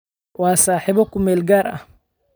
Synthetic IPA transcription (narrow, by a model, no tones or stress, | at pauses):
wɑːsaːħiːβɔkʰʊmɛːlɡaːrɐ̰h